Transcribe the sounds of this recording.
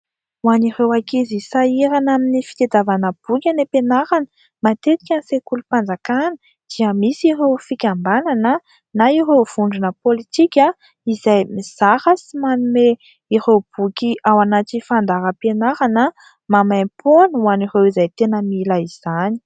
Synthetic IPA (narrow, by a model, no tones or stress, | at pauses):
uaniɾewakizisaiɾanaminifi̥t̪ed̪avanəb̥ukʲanepenaɾanə̥ | mat̪et̪i̥kʲansekulupand͡zakanə | d̪̥iəmisiɾewfikʲambananə | naiɾewv̥uɳɖ͡ʐunəpolit̪ikʲa | izajmiz̥aɾəsimanume | iɾewb̥ukʲiʔawanat̪ifand̪aɾəpenaɾanə | mamajpʰonəwaniɾewizajt̪enəmilaiz̥ani̥